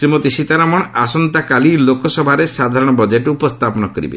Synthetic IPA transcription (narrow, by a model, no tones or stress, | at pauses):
sɾimot̪iʃit̪aɾamɔɳ̃asɔnt̪akalilokɔsɔbʱaɾesad̪ʱaɾɔɽ̃ɔbɔd͡ʒeʈupɔst̪ʰapɔnɔkɔɾḭbḛ